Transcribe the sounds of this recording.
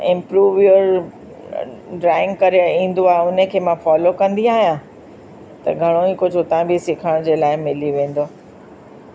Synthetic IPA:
ɪ̃mpɾuːʋjoɾ | ɖɾaːɪ̃ŋɡ̚kɐɾĩːn̆d̪oaːɦeʊnəkʰeːmãfɔːlokɐ̃nd̪iaːɦijã | t̪ɐ̰ɡʱɐɽ̃oĩkʊd͡ʑʱʊt̪ãbisɪkʰəɽ̃d͡ʑeːlaːɪmɪliʋẽːn̆d̪oː

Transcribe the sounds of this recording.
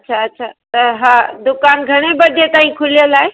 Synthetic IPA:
ɐtːʃʰaətːʃʰat̪əɦãd̪ʊkanɡʱəɽ̃ebəd̪ʱet̪aːɦĩkʰulijəlae

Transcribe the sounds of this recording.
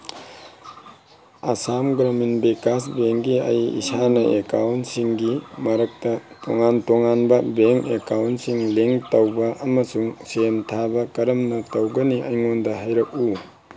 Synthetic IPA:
ɐsamɡɾaminbekasbeŋɡiɐ̰jḭsanɐʔekawntsiŋɡimɐɾɐk̚tɐto̰ŋantoŋanbɐbeŋekawntsiŋleŋtɐwbɐʔɐmɐsuŋsentʰabɐkɐɾɐmnɐtɐwɡɐniʔɐjŋondɐɦajɾɐk̚u

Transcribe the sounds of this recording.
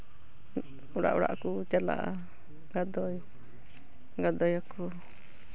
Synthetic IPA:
uɾa̰ʔṵɾa̰ʔku | t͡ʃala̰ʔa̰ | ɡad̪ɔj | ɡad̪ɔjaku

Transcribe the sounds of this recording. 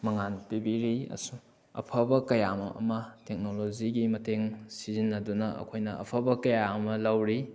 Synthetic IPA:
mɐŋanpibiɾiɐ̰su | ɐ̰pʰɐbɐkɐjamɐ̰ɐ̰mɐtek̚noloziɡimɐteŋsizinːɐdunɐɐ̰kʰojnɐɐ̰pʰɐbɐkɐjaɐmɐlɐwɾi

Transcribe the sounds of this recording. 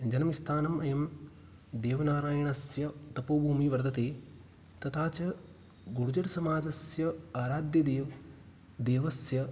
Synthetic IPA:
d͡ʒɐnɐmist̪ʰaːnɐmɐjɐm | d̪eːʋɐnaːɾaːjɐɳɐsjɐt̪ɐpoːbʱuːmiʋɐɾd̪ɐt̪eː | t̪ɐt̪ʰaːt͡ʃɐ | ɡuɾud͡ʒɐɽsɐmaːd͡ʒɐsjɐaːɾaːd̪jɐd̪eːʋ | d̪eːʋɐsjɐ

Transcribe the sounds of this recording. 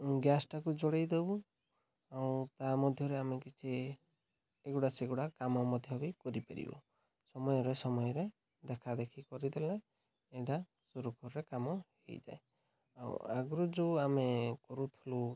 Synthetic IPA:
ɡjasʈakud͡ʒoɽejd̪ebu | awt̪amɔd̪ʱjɔɾeamekit͡ʃʰe | ɡuɽaseɡuɽakamɔmɔd̪ʱjɔbikɔɾipaɾḭbɔ̰ | sɔmɔjɔɾesɔmɔjɔɾe | d̪ekʰad̪ekʰikɔɾid̪elã | eʈa | suɾukɔɾiɾekamɔhej̰d͡ʒa̰e | a̰w̰a̰ɡɾɔd͡ʒuamekɔɾut̪ʰilu

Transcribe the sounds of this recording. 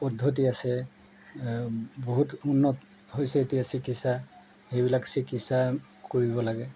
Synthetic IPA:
pɔdʱot̬iasɛ | boɦutunːɔtɦojsɛːtijasikitsa | hejbilaksikitsa | koɹibɔlaɡɛ

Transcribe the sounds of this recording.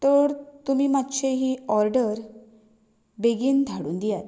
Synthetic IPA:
t̪əɾt̪umiːmat̪ːt͡ɕʰeɦiɔɾɖəɾ | beɡiːnd̪ʱaɽṵːnd̪ijat̪

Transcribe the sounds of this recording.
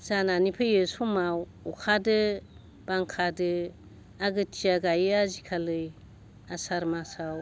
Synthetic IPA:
zananipʰɯjɯsumaw | ukʰadɯ | b̥aŋkʰadɯ | aɡɯtʰiaɡajazikʰalɯj | asaɾmasaw

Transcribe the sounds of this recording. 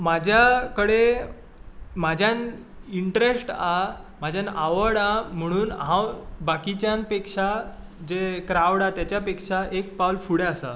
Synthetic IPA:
mad͡ʑʱjakəɽe | mad͡ʑʱjan | iɳʈɾesʈamad͡ʑʱjanaʋəɽam̤əɽ̃uːnɦãwbakit͡ɕjãnpekʂad͡ʑekɾaʋɽat̪jat͡ɕjapekʂaʔek̚pawlfuɽeasa̰

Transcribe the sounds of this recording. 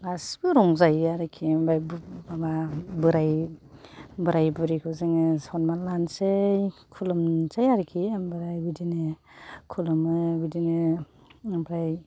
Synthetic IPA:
asbɯɾɔŋzajaɾɯkʰimbajbababɯɾaj | bɯɾajbɯɾikʰɯwzɯŋɯsɔnmalansekʰulɔmt͡ʃajaɾikʰimbɯɾajbidinɯkʰulɔmɯbidinɯ | bɾaj

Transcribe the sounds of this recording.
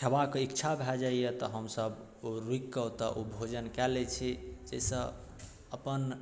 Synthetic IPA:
t͡ʃʰəbakeikt͡ʃʰabʱɛd͡ʒaijet̪ɔɦəmsəb | oɾuikːət̪ɔʔobʱod͡ʒənkɛlet͡ʃʰɛd͡ʒɛsə̃ | əpən

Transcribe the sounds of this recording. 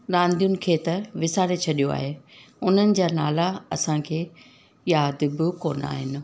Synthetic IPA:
ɾãːnd̪ijʊnɪ̆kʰeːt̪ɐʋɪsaːɾet͡ɕʰɐɗijoa̰ːɦeːʊn̤ənɪ̆d͡ʑaːna̰ːlaɐsãkʰeː | jaːd̪bɪkoːna̰ːɦɪnɪ̆

